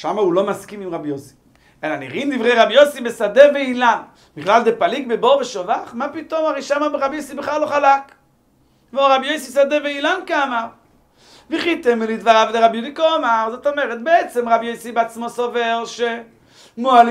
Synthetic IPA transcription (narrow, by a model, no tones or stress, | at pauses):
ʃamaulomaskimimʁabjosi̥ | elanḭʁindivʁejʁabjosibesad̪eveilan | biχlalzepalikbeboʁveʃovaχmapit̪omaʁeʃamabeʁabjojsibeχlalːoχalak | kmoʁʁabjojsisad̪eveilankaamaʁ | veχit̪ɛmilid̪vaʁavdeʁabjudikomaʁzot̪omeʁɛt̪̚beɛt͡sɛmʁabjojsibeat͡smosovelʃe | moal